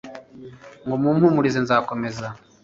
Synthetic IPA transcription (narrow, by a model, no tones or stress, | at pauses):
ŋɡomuːmhumuɾizenzaːko̞me̞za